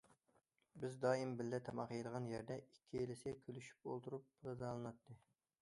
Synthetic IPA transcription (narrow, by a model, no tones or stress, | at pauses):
bɪzd̪ɑːimbɪlːɛt̪ʰɑmɑqjed̪əʁɑnjæɾd̪ɛikʲʰːielɪsɪkʲʰølyʃy̥p̚o̰lˠt̪ʰuɾup̚blˠɨd̪ɑlˠɨnɑt̪ʰːɨ